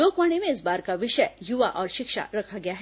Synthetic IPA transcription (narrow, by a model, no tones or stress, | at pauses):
lokʋaɽ̃emẽsbaɾkaʋiʃəjjuʋaʔɔːɾɕɪkʂa̰ɾɐkʰaɡjaɦɛ